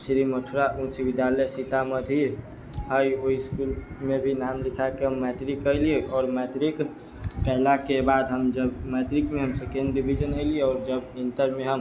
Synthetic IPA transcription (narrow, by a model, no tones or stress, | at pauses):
sɾiməʈʰɾaʔũt͡ʃibɪd̪jaləjsit̪aməd̪ʱi | ɦəjoiskulmebʱinamlikʰakeɦəmːɛt̪ɾikːəɪlieɔːɾmɛt̪ɾik | kɛɦlakebad̪ɦəmd͡ʒəbmɛt̪ɾikmeɦəmsəkẽndibʱid͡ʒənəɪlieɔːɾd͡ʒəbĩnt̪əɾmeɦəm